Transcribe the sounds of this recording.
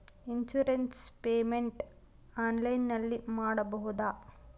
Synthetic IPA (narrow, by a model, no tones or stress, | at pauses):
insuɾenspeːmeɳʈ | aːnlɐjnːɐlːimaːɽɐbɐɦud̪aː